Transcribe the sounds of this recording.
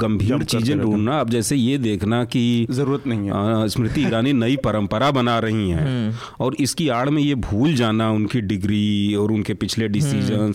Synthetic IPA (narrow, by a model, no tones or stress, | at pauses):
ɡɐ̃mbʱiːɾt͡ʃiːzẽɖʱũːɳnaaːp̚d͡ʒɛːsejed̪eːkʰnakizɐɾuːɾət̪nɐɦĩɦɛsmɾɪt̪iɡɾaːninɐipɐɾə̃mpəɾabɐnaɾɐɦiɦɛ̃ː | ɔːɾɪskiaːɽ̤mẽjebʱuːld͡ʒaːnaʊnkiɖɪɡɾiɔːɾʊnkepɪt͡ʃʰleɖɪsiːʒəns